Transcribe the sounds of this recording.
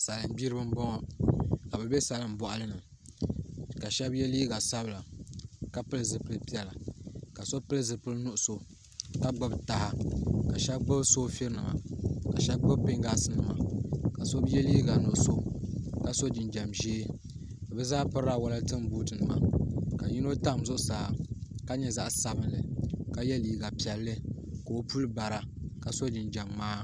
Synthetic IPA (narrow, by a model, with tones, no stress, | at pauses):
sa˨lɨ˨m˦biː˦ɾɨ˦bɨ˦m˦bɔ˦ŋɔ˨ka˨bɛ˨be˦sa˨lɨ˨m̩˦bɔ˦ʔa˦lɨ˦nɨ˨ | ka˨ʃɛ˦bjɛ˦liː˦ɡa˨sa˦bɨ˨la˨ka˦pɨ˦lɨ˨zɨ˨pɨ˦lpi˦ɛ˨la˨ka˨so˦pɨ˦lɨ˦zɨ˨pɨ˦lnu˦ʔʊ˦˨so˨ | ka˦ɡ͡bʊ˦bta˦ha˦ka˨ʃɛ˦bɡ͡bʊ˦bso˦fi˦ɾnɨ˨ma̰˨ka˨ʃɛ˦b̚ɡ͡bʊ˦bpɪ˦ŋɡa˦sɨ˦nɨ˨ma̰˨ka˨so˦bjɛ˦liː˦ɡa˨nʊ˨ʔʊ˨so˨ka˦so˦d͡ʒɪ˨nd͡ʒɛ˨mʒeː˦ | ka˨bɛ˦zaː˦pɨ˦ɾa˦˨wa˦la˦tɨ˦m˨buː˦tɨ˨nɨ˨ma̰˨ka˨ɲi˦no˦ta˦˨m˨zʊ˦ʔʊ˦˨saː˨˦ka˦ɲɛ˦za˦ʔsa˦bɨ˦nlɨ˨ka˦jɛ˦liː˦ɡa˨pi˨ɛ˨lːɨ˦ | ka˨o˦pu˦lɨ˦ba˨ɾa˨ka˨so˦d͡ʒɪ˨nd͡ʒa˨mːaː˦